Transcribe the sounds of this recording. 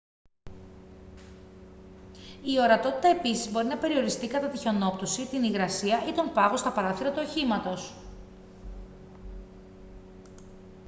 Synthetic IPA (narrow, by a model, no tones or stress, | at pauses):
io̞ɾɐt̪o̞t̪i̥t̪ɐe̞pisizbo̞ɾinɐpe̞ɾio̞ɾist̪ikɐt̪ɐt̪içono̞pt̪o̞sit̪iniɣɾɐsiɐit̪o̞mpɐɣo̞st̪ɐpɐɾɐθiɾɐt̪uoçimɐt̪o̞s